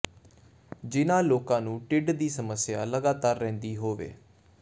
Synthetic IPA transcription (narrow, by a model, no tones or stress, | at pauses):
d͡ʒɪnãːloːkãːnũːʈɪɖd̪iːsəməsɪjaːləɡaːt̪aːɾːɛ̃ːnd̪iːɦoːʋḛː